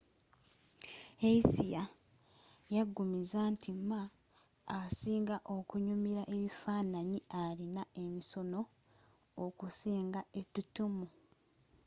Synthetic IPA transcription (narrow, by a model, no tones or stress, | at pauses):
eisija | jaɡːumizantʰimːaː | siːŋɡaʔo̞kuɲumiɾaʔe̞βifaːnaɲiaɾinae̞miso̞noː | kusiːŋɡaetutumu